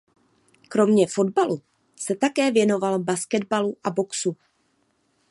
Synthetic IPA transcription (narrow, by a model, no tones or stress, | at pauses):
kɾo̞mɲɛfo̞dbalu | sɛt̪akɛːvjɛno̞valbaskɛdbaluʔabo̞ksu